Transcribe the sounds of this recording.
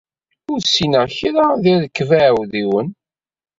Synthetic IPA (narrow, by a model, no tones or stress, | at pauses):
ʊɾsinəçiɾaðiðəkːvæʕwðiwən